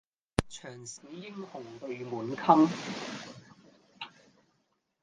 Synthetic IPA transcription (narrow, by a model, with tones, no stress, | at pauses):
t͡ʃʰœː˨˩ŋsiː˨˥jɪ˥ŋhʊ˨˩ŋp̪ɵ˨˧ɥmuː˨˩nkʰɐ˥m